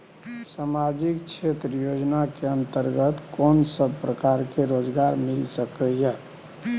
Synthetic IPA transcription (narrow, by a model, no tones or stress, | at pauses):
samad͡ʒikt͡ʃʰet̪ɾəjod͡ʒnakeənt̪əɾɡət̪kɔnsəbpɾəkaɾkeɾod͡ʒɡaɾmilsəkəja